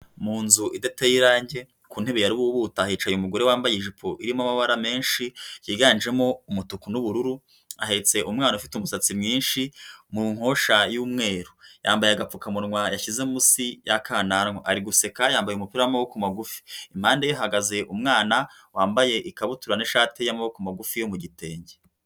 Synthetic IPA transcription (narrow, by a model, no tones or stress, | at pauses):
muːnzuʔidetejiɾaːɲɟe̞ | kuːn̥he̞βejaɾiβuβuːtahiːt͡ʃajeumuɡo̞ɾewaːmbajeʒipʰo̞ʔiɾimamaβaɾame̞ːnʃijiːɡand͡ʒe̞mo̞umutukunuβuɾuɾu | aɦe̞t͡se̞ʔumŋaːnaufitumusat͡simɲiːnʃimuŋ̥ho̞ʃajuːmŋe̞ːɾu̥jaːmbajeaɡap͡fukamunŋwajaʃize̞musijakʰaːnanŋoʔaɾiɡuse̞kajaːmbajumupiɾajamawokumaɡufi̥im̥haːndejaɦaɡaze̞ʔumŋaːna | waːmbaje̞ʔikaβutuɾaniʃaːtejamawokumaɡufijo̞muɟite̞ːɲɟe